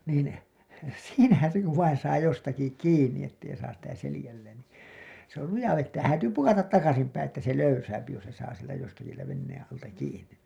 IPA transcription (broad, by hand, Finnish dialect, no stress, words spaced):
niːn siːnæhæn̞ se kuʋ ʋɑin sɑː jostɑki kiːnːi etːei sɑːs sitæ selĭjælːeːn niː se ol lujɑ ʋetːæː hæːtyː pukɑtɑt tɑkɑsim pæĩː etːæ se løysæːpi jos se sɑː sieltæ jostɑki sieltæ ʋenːeːẽ ɑltɑ kiːnˑin